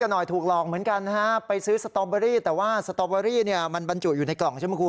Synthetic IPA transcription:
ka˧nɔ˨˩jt̪ʰuː˨˩k̚lɔː˧˩ŋ̚mɯ˩˦ənka˧nːa˦˥a˦˥pa˧jsɯː˦˥sa˧t̪ɔː˧baː˧ɾiː˥˩t̪ɛː˨˩waː˥˩sa˧t̪ɔː˧baː˧ɾiː˥˩ni˥˩əma˧nba˧nt͡ɕu˨˩t̪̚juː˨˩na˧jklɔ˨˩ŋt͡ɕʰa˥˩mː˧˥˩ku˧

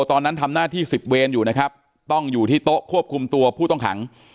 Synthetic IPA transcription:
t̪ɔː˧nːa˦˥nt̪ʰa˧mnaː˥˩t̪ʰiː˥˩si˨˩p̪̚weː˧njuː˨˩na˦˥kʰa˦˥p̚ | t̪ɔ˥˩ŋjuː˨˩t̪ʰiː˥˩t̪o˦˥ʔkʰu˥˩əp̚kʰu˧mt̪u˧ɐpʰuː˥˩t̪ɔ˥˩ŋkʰa̰˩˦ŋ

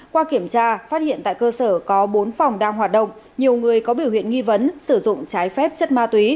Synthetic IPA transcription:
kwaː˧ki˧˩əmt͡ɕaː˧faː˦˥t̚hḭ˧˨ənt̪a̰ː˧˨kəː˧səː˧˩kɔ˨˦ɓo˨˦nfa˨˩wŋ͡mɗaː˧ŋɦwaː˨˩t̚ɗə̰˧˨wŋ͡m | ɲi˨˩əwŋɨ˨˩əjkɔ˨˦ɓi˧˩əwhḭ˧˨ənŋi˧və˨˦nsɨ˧˩zʊ̰˧˨ŋ͡mt͡ɕaː˨˦jfɛ˦˥p̚t͡ɕə˦˥t̚maː˧t̪wi˨˦

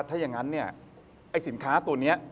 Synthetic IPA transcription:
t̪ʰaː˥˩ja˧ŋa˦˥nːi˥˩ɐ | ʔa˧˥˩jsi˨˩˦nkʰaː˦˥t̪u˧əni˦˥ɐ

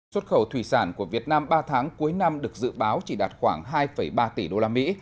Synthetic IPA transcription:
swə˦˥t̚xə˧˩wt̪ʰwi˧˩saː˧˩nku˧˩əvi˨˩ət̚naː˧mɓaː˧t̪ʰaː˨˦ŋku˨˦jna˧mɗɨ˨˩ək̚zɨ̰˧˨ɓaː˨˦wt͡ɕi˧˩ɗaː˨˩t̚xwaː˧˩ŋɦaː˧jfə˧˩jɓaː˧t̪i˧˩ɗo˧laː˧mḭ˧˥

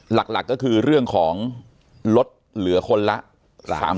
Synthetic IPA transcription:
la˨˩k̚la̰˨˩kːɔː˥˩kʰɯː˧ɾɯ˥˩əŋkʰɔː˩˦ŋ | lo˦˥t̪̚lɯ˩˦ɐkʰo˧nla˦˥ʔ | a˨a̰ː˩˦

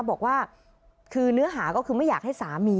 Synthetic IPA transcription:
bɔː˨˩k̚waː˥˩ | kʰɯː˧nɯ˦˥ɐɦaː˩˦kɔː˥˩kʰɯː˧ma˥˩jaː˨˩k̚ha˥˩jsaː˨˩˦miː˧

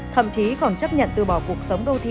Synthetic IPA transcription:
t̪ʰə̰˧˨mt͡ɕi˨˦kɔ˧˩nt͡ɕə˦˥p̚ɲə̰˧˨nt̪ɨ˧˩ɓɔ˧˩ku˨˩ək̚sə˨˦wŋ͡mɗo˧t̪ʰi˧

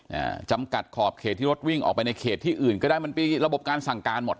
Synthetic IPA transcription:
ʔa̰ː˧˩t͡ɕa˧mka˨˩t̪̚kʰɔː˨˩p̚kʰe˨˩t̪ʰːiː˥˩ɾo˦˥t̪̚wi˥˩ŋʔɔ̰ː˨˩k̚pa˧jna˧jkʰeː˨˩t̪ʰːiː˥˩ʔɯː˨˩nkɔː˥˩da˥˩jma˧npe˧ɾa˧bo˨˩p̚kaː˧nsa˨˩ŋkaː˧nmo˨˩t̪̚

